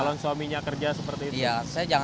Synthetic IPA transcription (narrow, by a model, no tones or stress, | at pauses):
lɔnswamiɲakərd͡ʒasəpərt̪iːtij̪asajad͡ʒaŋ